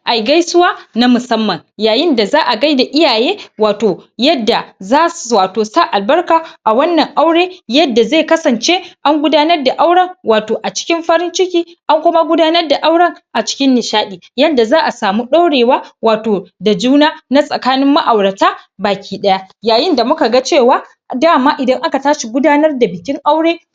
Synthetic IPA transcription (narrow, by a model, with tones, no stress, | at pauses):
ʔa˨jɡa˦jsʊ˦waː˦na˦mʊ˨sɐ˦mːɐ˨ŋjaː˨jɪ˦nda˨zaː˦ʔa˨ɡa˦jda˨ʔɪ˦jaː˨jeː˦waː˨toː˨jɐ˦dːa˨zaː˦waː˨toː˨sa˦ʔa˨lbɐ˦rkaː˨ʔa˨wɐ˦nːɐ˨ŋʔa˦wɽeː˦jɐ˦dːa˨zeː˦˨kɐ˦sɐ˨nt͡ʃe˦ʔa˦ŋɡʷʊ˦daː˦nɐ˦rda˨ʔa˦wɽɐ˦ŋwaː˨toː˨ʔa˨t͡ʃɪ̥˦kʲɪ˦mɸɐ˦ɾɪ˦nt͡ʃɪ˦kʲiː˦ʔa˦ŋkʷʊ˦ma˦ɡʷʊ˦daː˦nɐ˦rda˨ʔa˦wɽɐ˦ŋʔa˨t͡ʃɪ̥˦kʲɪ˦nːɪ˨ʃaː˦ɗiː˨jɐ˦nda˨zaː˦ʔa˨saː˨mu˦ɗa˦wɽeː˨waː˦waː˨toː˨da˨d͡ʒuː˦naː˦na˦sʼɐ˨kaː˦nɪ˦mːa˦ʔa˨wɽɐ˨taː˦baː˨kʲiː˦ɗɐ˦ja˦jaː˨jɪ˦nda˨mʊ˦ka˨ɡa˦t͡ʃeː˦˨waː˦ | daː˦˨maː˦ʔɪ˨dɐ˦ŋʔa˦ka˨taː˦ʃi˨ɡʷʊ˦daː˦nɐ˦rda˨bɪ˨kʲɪ˦ŋʔa˦wɽeː˦